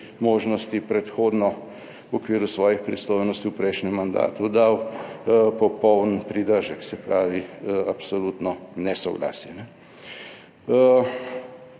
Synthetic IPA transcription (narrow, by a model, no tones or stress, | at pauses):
moːʒnɔst̪ipɾɛt̪xoːd̪nɔ | wɔkʋiːɾusʋɔːjixpɾisloːjnɔst̪iwpɾɛjʃnɛmːand̪a̰ːt̪ud̪aw | pɔpɔwnpɾid̪əɾʒəksɛpɾaːʋiapsolut̪nɔnɛsɔɡla̰ːsɛnɛ